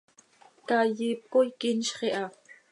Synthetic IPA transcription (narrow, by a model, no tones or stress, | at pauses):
kɑjip̚kojkinʃχeʔɑ